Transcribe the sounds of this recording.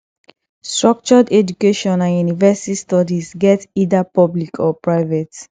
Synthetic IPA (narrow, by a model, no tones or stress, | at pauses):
stɹɔk̚t͡ʃɔdɛd͡ʒukeʃɔ̃nãnjunivɛsi̥tistɔdizɡɛtidapɔblikʰɔpɹaɪvɛt